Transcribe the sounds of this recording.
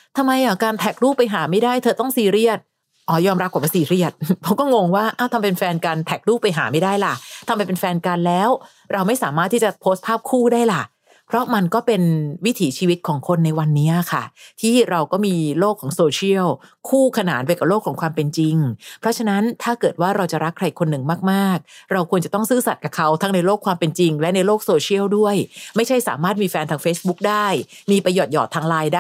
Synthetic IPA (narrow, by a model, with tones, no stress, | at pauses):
t̪ʰa˧mːa˧jʔa˨˩kaː˧nt̪ʰɛː˨˩k̚ɾuː˥˩pa˧jɦaː˩˦ma˥˩jdaː˥˩jt̪ʰɤː˧t̪ɔ˥˩ŋsiː˧ɾi˥˩ət̪̚ | ʔɔː˧˩jɔː˧mɾa˦˥p̚kaː˨˩wa˥˩siː˧ɾi˥˩ət̪̚pʰɔ˦˥kɔː˥˩ŋo˧ŋwaː˥˩ʔaː˧˩wt̪ʰa˧mpe˧nfɛː˧nkaː˧nt̪ʰɛː˨˩k̚ɾuː˥˩pa˧jɦa̰ː˩˦ma˥˩jdaː˥˩jla˨˩t̪ʰa˧mːpa˧jpe˧nfɛː˧nka˧nlɛː˦˥w | ɾa˧wma˥˩jsaː˩˦maː˥˩t̪ʰːi˥˩t͡ɕa˨˩pʰoː˦˥st̪̚pʰaː˥˩p̚kʰuː˥˩daː˥˩jla˨˩ | pʰɾɔ˦˥ma˧nkɔː˥˩pe˧nwi˦˥t̪ʰiː˩˦t͡ɕʰiː˧wi˦˥t̪̚kʰɔː˩˦ŋkʰo˧nːa˧jwa˧nːiː˦˥a˨˩kʰa̰˥˩t̪ʰiː˥˩ɾa˧wkɔː˥˩miː˧loː˥˩kʰːɔː˩˦ŋsoː˧t͡ɕʰi˥˩əwkʰuː˥˩kʰa˧naː˩˦npa˧jka˨˩p̚loː˥˩kʰɔː˩˦ŋkʰwaː˧mpe˧nt͡ɕi˧ŋpʰɾɔ˦˥t͡ɕʰa˧na˦˥nt̪ʰaː˥˩kɤː˨˩t̪waː˥˩ɾa˧wt͡ɕa˨˩ɾa˦˥kʰːɾa˧jkʰo˧nːɯ˨˩ŋmaː˥˩k̚maː˥˩k̚ɾa˧wkʰu˧ənt͡ɕa˨˩t̪ɔ˥˩ŋsɯː˥˩sa˨˩ka˨˩kʰa˦˥wt̪ʰa˦˥ŋna˧jloː˥˩kʰwaː˧mpe˧nt͡ɕi˧ŋlɛ˦˥na˧jloː˥˩k̚soː˧t͡ɕʰi˥˩əwdu˥˩əjma˥˩jt͡ɕʰa˥˩jsaː˩˦maː˥˩t̪̚miː˧fɛː˧nt̪ʰaː˧ŋfeː˦˥sbu˦˥k̚daː˥˩jmiː˧pɾa˧jɔː˨˩t̪̚jɔ̰ː˨˩t̪ʰːaː˧ŋlaː˧jdaː˥